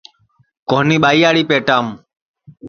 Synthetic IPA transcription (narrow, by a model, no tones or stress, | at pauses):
koːniːɓaːiːaːɽiːpeːʈaːm